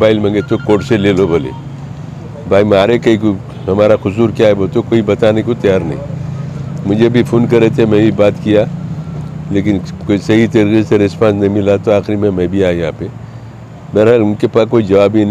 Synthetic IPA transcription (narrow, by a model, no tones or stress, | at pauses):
baːɪlmə̃ŋɡet̪okoːʈseleːlobʱolḛ | bʱaːimaːɾekɐiko | ɦɐmaːɾaxʊsuːɾkjaːɦebot̪okoːibɐt̪aːnekot̪ɐjaːɾnəɦḭ̃ | mʊd͡ʒʱebʱipʰoːnkɐɾet̪ʰemɛ̃bʱibaːt̪kija | leːkɪnkoisɐɦit̪eɾikiseɾɪspãːnsnɐɦĩmɪlat̪oaːxɪɾimẽmɛ̃bʱiaːjɐɦã̰pe | bɛːɾɦalʊnkepaːskoːid͡ʒɐʋaːbin